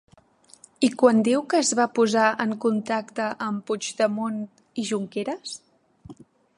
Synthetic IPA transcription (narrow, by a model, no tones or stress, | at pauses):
ikwand̪ewkəːzβapuzaʔəŋkunt̪akt̪əʔəmpud͡ʒd̪əmon | iʒuŋkeɾəs